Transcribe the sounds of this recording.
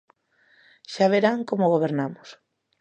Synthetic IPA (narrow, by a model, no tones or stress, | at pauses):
ʃaβeɾaŋkomoɣ̞oβeɾnamʊs